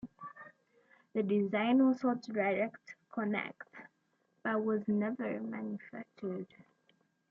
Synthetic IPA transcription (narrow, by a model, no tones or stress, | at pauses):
ðədɪzãɪ̃nwɔ̥sɔtəɹɛdəktkʰənɛ̰kt | b̥at̚wɔznɛvəɹmãnjəfæ̰k̚t͡ʃəd̥